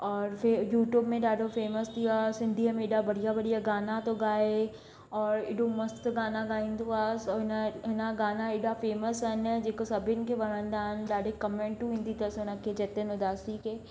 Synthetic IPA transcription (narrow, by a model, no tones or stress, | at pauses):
ɔːɾfejuːʈjuːbmẽɖaːɖofeːməsd̪ijasɪ̃nd̪ʱiəmeɪɖabɐɽijabɐɽijaɡaːnat̪oɡaːe | ɔːɾɪ̰ɖomɐst̪ɡaːnaɡaːĩnd̪uaːsɔnaɦɪnaɡaːnaɪɖafeːməsɐned͡ʒekosɐbɪnkeʋɐɾə̃nd̪aːnɖaːɖekəmẽɳʈʈːuɪ̃nd̪ʱit̪əsonəkːed͡ʒɛt̪enod̪aːsike